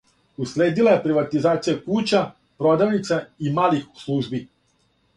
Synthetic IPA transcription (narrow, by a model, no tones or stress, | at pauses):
usleːd̪ilˠajepɾiʋat̪izaːt̪sijakuːt͡ɕa | pɾod̪aʋnit̪saimaːlixslˠuːʒbi